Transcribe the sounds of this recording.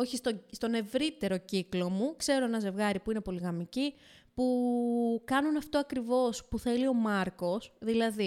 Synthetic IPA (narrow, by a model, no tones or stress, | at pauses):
oçist̪ost̪o̞ne̞vɾit̪e̞ɾo̞ciklo̞mukse̞ɾo̞e̞nɐze̞vɣɐɾipuine̞po̞liɣɐmici | pu | kɐnunɐft̪o̞ɐkɾivo̞spuθe̞lio̞mɐɾko̞sðilɐði